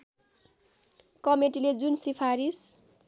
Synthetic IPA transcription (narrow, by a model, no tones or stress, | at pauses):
kʌmeʈiled͡zunsipʰaɾis